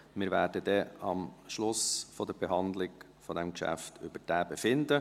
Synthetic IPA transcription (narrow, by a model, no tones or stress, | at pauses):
mɪɾʋæːɾdəd̥̪ɛɑmʃlʊsfɔd̥̪əɾb̥eɦɑnd̪lɪɡ | fɔd̪ɛmkʃæ̰ft̪ʰʏb̥əɾd̥æːbefɪnd̪ə